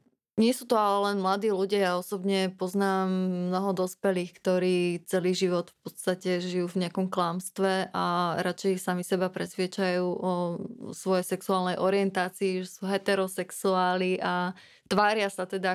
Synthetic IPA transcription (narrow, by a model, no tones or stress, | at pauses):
ɲɪɛsuːt̪ɔalɛlɛnmlad̪iːluɟɪajaɔsɔbɲɛpɔznaːmːnɔɦɔd̪ɔspɛliːxkt̪ɔɾiːt͡sɛliːʒiʋɔt̪fpɔt̪st̪acɛʒijuːvɲɪakɔmklamst̪ʋɛʔaɾat͡ʃɛjsamisɛbapɾɛsʋɪɛt͡ʃajuːʔɔsʋɔjɛjsɛksuaːlnɛjʔɔɾɪɛnt̪aːt͡siːʒɛsuɦɛt̪ɛɾɔsɛksuaːliʔa | t̪ʋaːɾɪasat̪ɛd̪a